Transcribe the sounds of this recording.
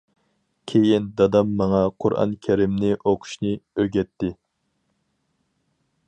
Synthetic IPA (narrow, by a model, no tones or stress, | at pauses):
kʲʰejind̪ɑd̪ɑmːɑŋɑqʰʊɾʔɑ̰nkʲʰɛɾɪmnɪʔoqʰʊ̥ʃnɨøɡʲɛt̪ʰːɪ